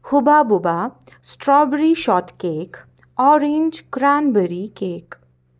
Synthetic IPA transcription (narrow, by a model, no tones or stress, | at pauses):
hʊbabʊba | sʈɾɔːbɾiʃɔːt̪keːk | ɔːɾẽnd͡ʒkɾaːnbəɾikeːk